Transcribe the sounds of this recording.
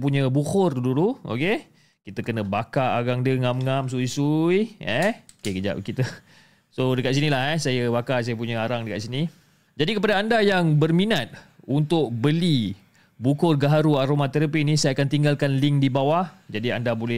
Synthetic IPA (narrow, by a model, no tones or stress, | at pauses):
puɲəbukʊrduluo̰ke | kit̪əkənəbakaaɡaŋdəŋamŋams̬uisujɛokekəd͡ʒa̰p̚kit̪ə | sodəkat̪̚s̬inilahɛsajəbakas̬ajəp̬uɲəaɾaŋdəka̰ʔ̪sini | d͡ʒadikəp̬adaːndajaŋbərminat̪̚unt̪ʊk̚bəli | bukʊrɡaɦaɾuaɾomat̪əɾəp̬inisajaakant̪iŋɡalkanliŋdibawahd͡ʒadia̰ndabolɛ